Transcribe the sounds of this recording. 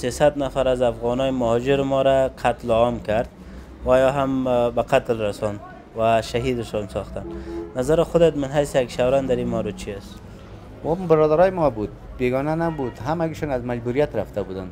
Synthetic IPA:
sesad̪nafaɾazafɣɔnɔjɪmʊhɔd͡ʒɪɾɪmɔɾaqʰat̪lɔmkaɾd̪ | wajɔɦambaqʰat̪lɾasɔnd̪ | waʃaɦid̪ɪʃɔnsɔxt̪annazaɾɪxʊd̪at̪mɪnɦajsɪjaɡʃawɾand̪aɾimaɾʊt͡ʃʰiast̪ | wɔmbɪɾɔd̪aɾɔjɪmɔbud̪̚beɡɔnanabud̪ɦamaɡiʃɔnazmad͡ʒbuɾijat̪ɾaft̪abud̪an

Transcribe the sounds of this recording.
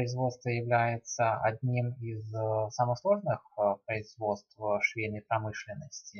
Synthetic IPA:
əɪzvo̞t̪st̪vəjɪvlʲæjɪt̪səɐdʲnʲimizsaməslˠo̞ʐnɨxpɾəɪzvo̞t̪st̪fʂvʲenʲɪpɾɐmɨʂlʲɪnːəsʲtʲɪ

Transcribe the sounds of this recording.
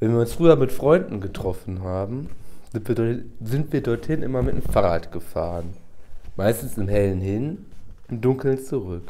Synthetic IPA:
vɛnviːɐʊnsfʁ̥yːɐmɪtfʁ̥ɔʏndn̩ɡətʁ̥ɔfn̩ɦaːbm̩vzɪntv̥iːɐdɔɐthɪnʔɪ̰mɐmɪtnḛmfaʁaːtɡ̥əfa̰ːʁən | maɪstn̩sɪmhɛlənhɪnʔɪmdʊŋkl̩nt͡suʁʏk

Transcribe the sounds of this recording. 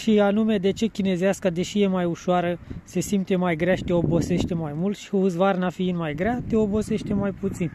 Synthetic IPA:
ʃianumed̪e̞t͡ʃe̞kʲine̞zeaskad̪e̞ʃije̞majuʃoaɾəse̞simt̪e̞majɡɾeaʃi̥t̪e̞o̞bo̞se̞ʃt̪e̞majmult̪ʃi̥uzvarnafiinmajɡɾat̪e̞o̞bo̞se̞ʃt̪e̞majput̪sin

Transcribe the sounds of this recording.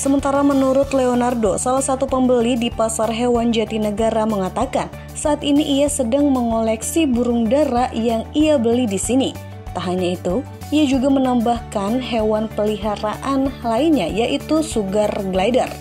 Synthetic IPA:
səmənt̪aɾamənuɾʊt̪leonardosalahsat̪upəmbəlidipasarɦewand͡ʒat̪inəɡaɾaməŋat̪akan | saat̪iniʔiasədaŋməŋolɛksibuɾuŋdaɾaʔjaŋiabəlidisini | t̪aɦaɲait̪u | iad͡ʒuɡamənambahkanɦewanpəliɦaɾaʔanlainɲajaʔit̪usuɡarɡlajdər

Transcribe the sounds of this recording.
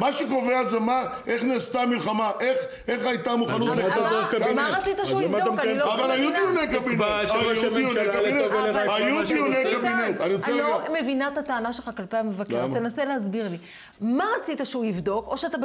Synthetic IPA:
maʃekoveazemaʔe̞χneːst̪amilχamaʔeχ | eχajt̪amuχanut̪leamʁat͡sit̪aʃeuivdokanilavalajuniunekabinjuioneabinetknvaajud̪ioneabinet̪aniʁoelomevinaet̪at̪aːnaʃelχakalpejamevakeʁt̪enaselehazbiʁli | maʁat͡sit̪aʃeuivd̪o̞ko̞ʃeat̪a

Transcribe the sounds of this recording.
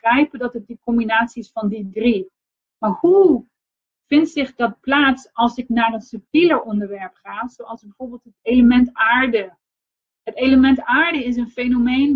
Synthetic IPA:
rɛjpədɑtət̚dəkɔmbinaːtsiɪsfɑndidri | maːɹhu | v̥ɪntsɪχdɑt̚plaːtsɑlˠsɪknaːrənsɵp̚tiləɹʔɔndəɹʋɛɹpχaːz̥owɑlˠzbəvoːɹbeːlˠtɦətejləmɛntaːɹdə | ɦətejləmɛntaːɹdəɪs̬ənfenomejn

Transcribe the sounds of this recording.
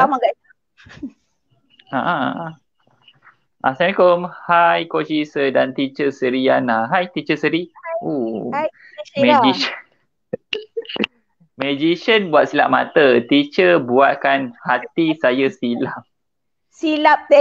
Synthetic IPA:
amaɡa | aʔã | ʔasankomhajkot͡ʃisədant̪it͡ʃəsəɾianaɦajt̪it͡ʃəsəɾio | mɛd͡ʒiʃən | məd͡ʒiʃənbuat̪̚sila̰ʔ̚ma̰t̪ət̪it͡ʃəbuat̪̚kanhat̪isajəsilap̚ | silap̚

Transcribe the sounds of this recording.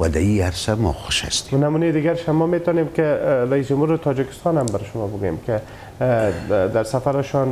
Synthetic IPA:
wad̪aiaɾsamɔxʊʃa̰st̪e̥namunejd̪ɪɡaɾʃamːɔmet̪ɔnemkɪɾaisd͡ʒʊmhuɾɪt̪ʰɔd͡ʒɪkɪ̥st̪ɔnhambaɾɪʃʊmɔbʊɡujḛmkɪ | d̪aɾsafaɾɪʃɔn

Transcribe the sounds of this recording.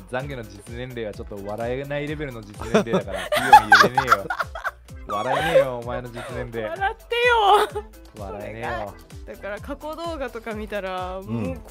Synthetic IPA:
d͡zãŋɡʲeno̞d͡ʑit͡sɨnẽ̞nɾe̞ːβ̞at͡ɕo̞t̪ːo̞βaɾaenaiɾe̞be̞ɾɯ̟no̞d͡ʑit͡sɨnẽɾed̪akaɾaioɲiɯɾeneeːjo | βaɾaeneːjoːmae̞no̞d͡ʑit͡sɨnẽ̞nɾeaɾat̪ːe̞jo | βa̰ɾaenejo | d̪̥akaɾakako̞d̪o̞ːɡat̪o̞kamʲit̪aɾamo

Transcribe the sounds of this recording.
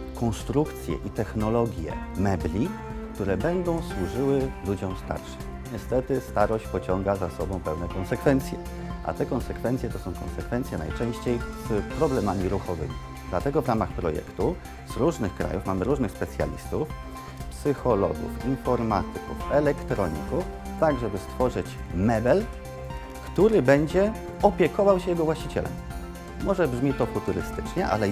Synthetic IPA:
kɔnst̪ɾukt̪sʲjɛ̰ʔit̪ɛxnɔlɔɡʲjɛ̰mɛblʲikt̪uɾɛbɛnd̪ɔ̃w̃swuʐɘwɘlud͡ʑɔ̃w̃st̪a̰ɾʂɘm | ɲɛst̪ɛt̪ɘst̪aɾɔɕt͡ɕpɔt͡ɕɔŋɡazasɔbɔ̃w̃pɛwnɛkɔnsɛkfɛnt̪sʲjɛ | ʔa̰t̪ɛkɔnsɛkfɛnt̪sʲjɛt̪ɔsɔ̃w̃kɔ̰nsɛkfɛnt̪sjɛna̰jt͡ʂɛ̃w̃ɕt͡ɕejzpɾɔblɛmamʲiɾuxɔvɘ̰mʲi | d̪lat̪ɛɡɔvɾamaxpɾɔjɛ̰kt̪u | z̥ɾuʐnɘxkɾa̰jufmamɘɾuʐnɘxspɛt̪sʲja̰lʲḭst̪uf | psɘxɔlɔ̰ɡṵfinfɔɾma̰t̪ɘkufɛlɛkt̪ɾɔɲḭkuf | t̪aɡʐɛbɘst̪fɔʐɘt͡ɕmɛbɛl | kt̪uɾɘbɛɲd͡ʑɛ | ɔpʲjɛkɔvawɕɛjɛɡɔvwaɕt͡ɕit͡ɕɛ̰lɛ̰m | mɔʐɛbʐmʲit̪ɔfut̪uɾɘ̰st̪ɘ̥t͡ʂɲɛʔa̰lɛ

